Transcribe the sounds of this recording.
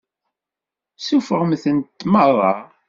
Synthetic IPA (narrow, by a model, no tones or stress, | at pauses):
sufəʁmθəntt̪ːmərˤːɑ